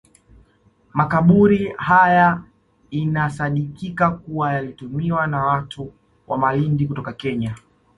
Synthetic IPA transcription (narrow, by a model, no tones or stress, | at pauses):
makaɓuɾihaja | inasaɗikikakuwajalitumiwanawatʰu | wʔamalindikutɔkakɛɲa